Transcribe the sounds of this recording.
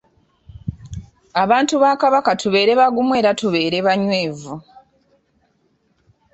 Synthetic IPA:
aβaːntuβaːkaβakatuβe̞ːɾe̞βaɡumwe̞ːɾatuβe̞ːɾe̞βaɲwe̞ːvu

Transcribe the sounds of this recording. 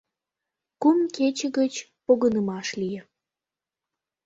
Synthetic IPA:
kumket͡ɕəɣət͡ɕpoɣənəmɑʃlijə

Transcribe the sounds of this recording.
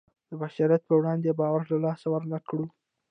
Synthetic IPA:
d̪̥əbaʃɑɾjat̪̚pəwɽɑnd̪ebɑwaɾlalɑsawəɾnakɽu

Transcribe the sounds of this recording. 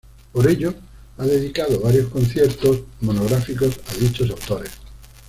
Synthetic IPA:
poɾe̞ʎo | aðe̞ðikaðoβaɾjo̞skõ̞nθje̞ɾt̪osmo̞noɣ̞ɾafiko̞saðit͡ʃosawt̪o̞ɾes

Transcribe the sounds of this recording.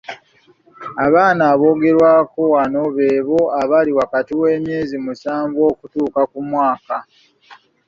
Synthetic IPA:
aβaːnaːβo̞ːɡe̞ɾwaːkowanoβe̞ːβo̞aβaliwakatiwe̞ːmje̞ːzimusaːɱvo̞ːkutuːkakumwaːka

